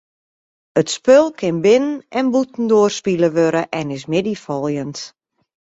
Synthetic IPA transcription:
ətspølˠkʰɪnbɪnənɛnbutn̩doːərspiləʋøɾəʔɛnɪs̬mɪdifɔlˠjənt

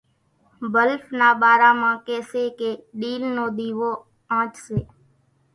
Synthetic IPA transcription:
bəlfnaːɓaːɾãːmãːkeːseːkeːɗiːlnoːd̪iːʋoː | ãːt͡ʃseː

